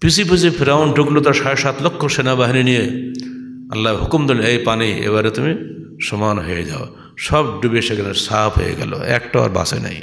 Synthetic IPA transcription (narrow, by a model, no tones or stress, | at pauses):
pisipisipʰiɾaunɖuɡlut̪aɾsaɾesat̪lokʰːoʃenabaɦininije | ɐ̰lːaɦʊkumd̪oleejpaniḛbaɾet̪umi | sɔmanɦojḛd͡ʑa̰o | ʃɔb̚ɖubeʃekʰaneɾsapʰɦo̰jḛɡɛ̰lo̰ɛk̚ʈaa̰ɾba̰sḛna̰j